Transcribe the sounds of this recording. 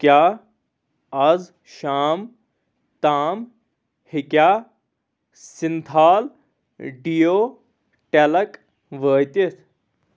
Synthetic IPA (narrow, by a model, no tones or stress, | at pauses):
kjaː | ɐz | ʃaːm | t̪aːm | hikʲjaː | sint̪ʰaːl | ɖijoː | ʈelɐk | ʋəːt̪it̪ʰ